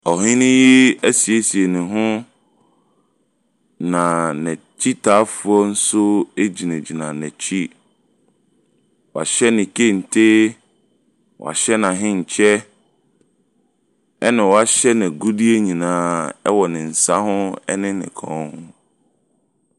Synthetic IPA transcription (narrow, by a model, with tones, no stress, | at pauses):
ɔ˨ɦɪ̃˦nɪ̃˦ji˦æ˦si˨e˦si˨e˨nɪ̃˨ɦʊ̃˦ | nã˨nɛ̃˨t͡ɕʰi˦tʰa˨˦fu˨ɔ˦n̩˦sʊ˦e˦d͡ʑi˨nɛ̃˨d͡ʑi˨nã˨nɛ̃˨t͡ɕʰi˦ | wɔ˨a̰˨ɕɛ˦nɪ̃˨kʰe˦n̩˨tʰe˦ | wʔa̰˨ɕɛ˦nã˨ɦɪ̃˦ɲ̩˨t͡ɕʰɛ˦ | ɛ˦nɪ̃˨wɔ˨a˦ɕɛ˦nɛ̃˨ɡu˦di˦e˦ɲĩ˨nãː˨˦ɛ̰˦wɔ˨nɪ̃˨n̩˨sa˦hʊ̃˦ɛ̰˦nɪ̃˦nɪ̰̃˨kʰɔ̰̃˨˦hʊ̃˦